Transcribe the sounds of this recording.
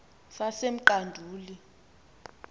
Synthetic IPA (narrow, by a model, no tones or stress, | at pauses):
sasem̩ǃandʱuːli